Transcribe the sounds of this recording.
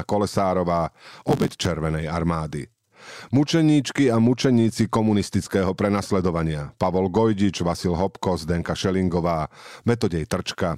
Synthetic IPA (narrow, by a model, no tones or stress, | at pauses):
akɔlɛsaːɾɔʋaːʔɔbɛct͡ʃɛɾʋɛnɛjaɾmaːd̪ḭ | mut͡ʃɛɲiːt͡ʃkiamut͡ʃɛɲiːt͡sikɔmunist̪it͡skɛːɦɔpɾɛnaslɛd̪ɔʋaɲɪapaʋɔlɡɔjɟid͡ʒʋasilɦɔpkɔzd̪ɛŋkaʃɛliŋɡɔʋaːmɛt̪̬ɔɟɛjt̪r̩t͡ʃka